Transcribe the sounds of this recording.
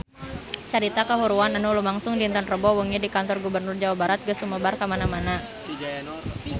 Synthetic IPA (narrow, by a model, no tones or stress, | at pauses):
t͡ʃəɾit̪akəɦuɾuananulumaŋsʊŋdint̪anrəbɔwəŋɲadikant̪ɔrɡubərnʊrd͡ʒawabaɾat̪̚ɡəsuməbarkamanamana